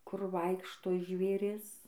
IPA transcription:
kʊr ˈʋɐɪkʃtoː ʒʲʋʲeːˈrʲɪs

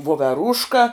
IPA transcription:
ʋoːʋʲɛˈruːʃkɐ

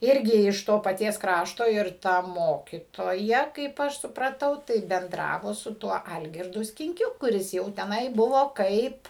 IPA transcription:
ˈɪrʲɡʲɪ ɪʃ ˈtoː pɐˈtʲiɛs ˈkrɑːʃtoː ɪr ˈtɐ ˈmoːkʲiːtoːjɛ kɐɪp ˈɐʃ sʊprɐˈtɐʊ tɐɪ bʲɛnˈdrɑːʋoː sʊ ˈtuɔ ˈɐlʲɡʲɪrdʊ sʲkʲɪŋʲˈkʲʊ kʊˈrʲɪs jɛʊ tʲɛˈnɐɪ ˈbʊʋoː ˈkɐɪp

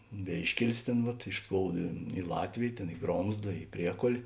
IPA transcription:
ˈʋʲeːɪʃʲkʲɛlʲɪs ˈtʲeːn ʋɐt ɪʃ ˈskoːʊdɐ ɪ ˈlˠɑːtʲʋʲeːj ˈtʲeːn ɪ ˈɡroːmzdɐ ɪ ˈpʲrʲiɛkoːlʲ

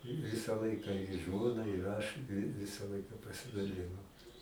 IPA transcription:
ˈʋʲɪsɐ ˈlˠɐɪkɐ ɪ ˈʒmoːnɐ ɪr ˈɐʃ ʋʲɪ ˈʋʲɪsɐ ˈlˠɐɪkɐ pɐsʲɪdɐˈlʲɪnoːm

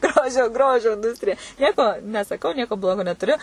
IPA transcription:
ˈɡroːʒʲoː ˈɡroːʒʲoː ɪnˈduːsʲtʲrʲɪjɛ ˈnʲiɛkoː nʲɛsɐˈkɐʊ ˈnʲiɛkoː ˈblˠoːɡoː nʲɛtʊˈrʲʊ

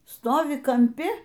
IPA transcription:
ˈstoːʋʲɪ kɐmʲˈpʲɪ

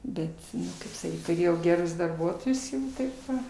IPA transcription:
ˈbʲɛt ˈkɐɪp sɐˈkʲiːt tʊˈrʲeːjɛʊ ɡʲɛˈrʊs dɐrˈbuɔtoːjʊs ˈnʊ ˈtɐɪp ʋɐ

